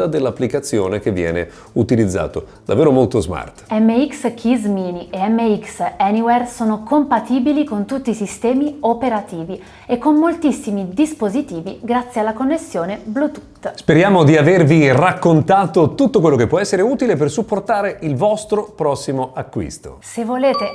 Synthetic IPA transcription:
ad̪elːapːlikat̪sːjoːnek̟evːjɛ̰ːnḛ | ut̪ilid̪zːa̰ːt̪o̰d̪avːeːɾomolt̪ozma̰rt̪ɛmːeikskʰizminieɛmːeiksɛniwɛrsoːnokompat̪iːbilikont̪ut̪ːisist̪ɛːmiopeɾat̪iːvi | ekːomːolt̪isːimid̪ispozit̪iːviɡɾat̪sːjealːakonːesːjoːneblut̪u̥t̪ːspeɾjaːmod̪iavervirakːont̪aːt̪ot̪ut̪ːokwelːokepːwɔɛsːeɾeuːt̪ilepersupːort̪aːɾeilvɔst̪ɾopɾɔsːimoʔakːwḭst̪o̰sevːoleːt̪e

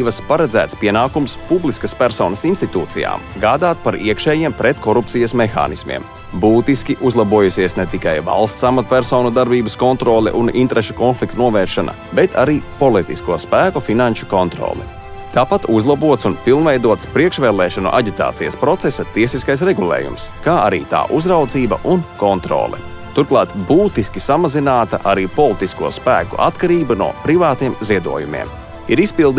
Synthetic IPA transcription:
ʋɐspaɾɛd̪zæ̰ːt̪spiɛnaːkumspublˠiskɐspʲæɾsɔːnɐsinst̪it̪uːt̪sija̰ːmɡaːd̪aːt̪̚paɾiɛkʃɛːjiɛmpɾɛt̪kɔɾup̚t̪sijɐsmexa̰ːnismḭɛm | buːt̪iskʲiʔuzlˠabuɔjusiɛsnɛt̪ikajva̰lˠst̪samat̪pʲæɾsɔːnud̪aɾbiːbəskɔnt̪ɾoːlˠɛ̰ʔunḭnt̪ɾɛʃu̥kɔnflˠik̚t̪nuɔvɛːɾʃana̰bɛt̪ʰa̰ɾiːpɔlˠit̪ḭskuɔspæːkɔfinanʃu̥kɔnt̪ɾɔ̰ːlˠɛ̰ | t̪aːpat̪uzlˠabuɔt̪sunpilˠnvɛjd̪uɔt̪spɾiɛkʃvɛːlˠɛːʃanṵʔa̰ɟit̪a̰ːt̪sijɐspɾɔt̪sɛsat̪iɛsiskajsɾɛɡulˠḛːjṵmskaːa̰ɾḭːt̪a̰ːʔuzɾawd̪ziːbɐ̰ʔunkɔnt̪ɾɔ̰ːlˠɛ̰ | t̪uɾklˠɑːt̪buːt̪iskisamazinaːt̪a̰ʔaɾiːpɔlˠit̪iskṵɔspæːkṵʔa̰t̪kaɾiːbunṵɔpɾivaːt̪iɛmziɛd̪ṵɔjumḭɛm | iɾispilˠd̪

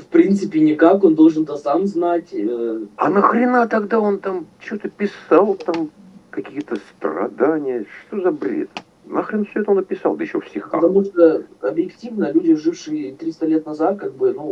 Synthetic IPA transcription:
fpɾʲint̪sɨpʲɪnʲɪkako̞nd̪o̞lˠʐɨnt̪əsamznatʲəɐnəxɾʲɪnat̪ɐɡd̪aont̪amt͡ɕɪvot̪əpʲɪsalˠt̪amkɐkʲijət̪əst̪rɐ̰d̪anʲɪjəʂt̪ozɐbɾʲḛt̪ | naxɾʲɪnufsʲoɛt̪əonəpʲɪsɑlˠd̪əjɪɕːofsʲɪxaət̪ɐmuʂt̪əɐbjɪktʲivnəlʲudʲɪʐɨfʂɨjət̪ɾʲist̪əlʲet̪nɐzat̪̚kaɡ̚bɨnu

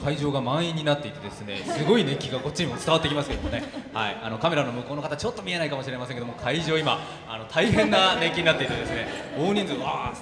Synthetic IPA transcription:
kaiʑo̞ːɡamãɰ̃ĩɲ̟ːinat̪ːe̞it̪ed̪e̞sɨne̞̰sɨɡo̞ine̞kʲːiɡako̞t͡ɕːiɲimo̞t͡sɨ̥t̪aβat̪ːekʲimasɨke̞d̪omonehaḭano̞kame̞ɾano̞mɯ̟ko̞ːno̞kat̪at͡ɕo̞t̪ːo̞mʲie̞naikamo̞ɕiɾe̞masẽŋkeomokʰaiʑo̞ːima | a̰no̞t̪ʰaiɦẽ̞nːane̞kʲːiɲ̟inat̪ːe̞it̪e̞d̪e̞sɨne̞oːɲ̟ĩnd͡zɨoa

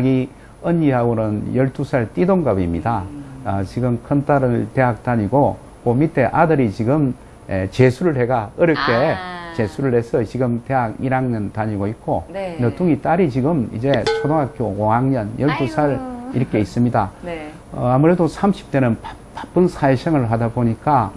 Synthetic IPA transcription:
aɡi | ʌɲːiɦaɡoɾonjʌɭt͈usʰaɭt͈idoŋɡabimɲida | t͡ɕiɡɯmkʰʌnt͈aɾɯɭte̞ɦak̚t͈aɲiɡo | komit̚t͈e̞ʔadɯɾit͡ɕiɡɯm | et͡ɕesʰuɾɯɭɦe̞ɡaɯɾɯk͈et͡ɕe̞sʰuɾɯɭhe̞sʰʌt͡ɕiɡɯmteɦaɡiɾaŋnɯntaɲiɡoit̚k͈onʌt͈ʰuŋit͈aɾit͡ɕiɡɯmḭd͡ʑe̞t͡ɕʰodoŋɦak̚k͈jooŋaŋɲʌnjʌɭt͈usʰaɾḭɾɯkʰe̞is͈ɯmɲida | amuɾe̞dosʰamɕʰi̥p̚t͈e̞nɯnpa | pap͈ɯnsʰaeɕʰʌŋɯɭɦadaboɲik͈a

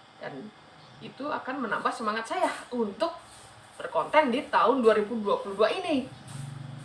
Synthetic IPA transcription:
d̥a̰n | it̪ua̰kanmənambahsəmaŋat̪̚sajahunt̪ʊk̚ | b̥ərkɔnt̪ɛndit̪aʊnduaɾibuduapuluduaini

